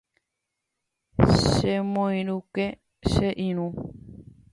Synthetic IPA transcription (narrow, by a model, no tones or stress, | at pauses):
ʃemõĩɾuke | ʃeʔĩɾ̃ũ